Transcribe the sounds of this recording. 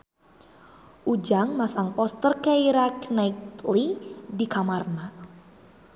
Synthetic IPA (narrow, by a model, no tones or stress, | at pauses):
ʔud͡ʒaŋmasaŋpɔst̪ərkaiɾaknajt̪lidikamarna